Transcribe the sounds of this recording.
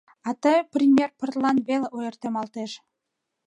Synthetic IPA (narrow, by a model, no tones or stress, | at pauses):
ɑt̪ɤjprʲimʲjerpə̆rlˠɑnβʲelʲeʔojɤ̆rt̪emɑlˠt̪eʃ